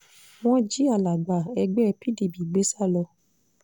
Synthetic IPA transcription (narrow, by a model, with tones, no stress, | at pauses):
w̃ɔ̃˦d͡ʒi˦a˦˨la˨ɡ͡ba˨ɛ˧ɡ͡bɛ˦˧pʰi˦di˨bi˨ɡ͡be˨˦sa˦˨lɔ˧